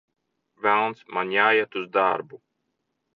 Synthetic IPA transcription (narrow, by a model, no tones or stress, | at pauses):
vælˠnt̪smanjaːjat̪uzd̪a̰ɾbu